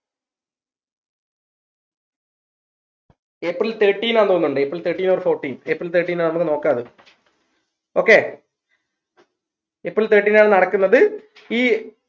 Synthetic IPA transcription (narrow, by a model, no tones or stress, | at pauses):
eːprilt̪eːʈːiːnaːɳt̪oːnːuɳɖɨeprilt̪ʰeːʈːiːnoːrfo̞ːrʈːiːnepːrilt̪eːʈːiːnaːɳnɐmukːɨno̞ːkːaːðɨ | o̞ːkːe̞ː | epːrilt̪eːʈːiːnaːɳɨnɐɽɐkːunːɐðɨ | iː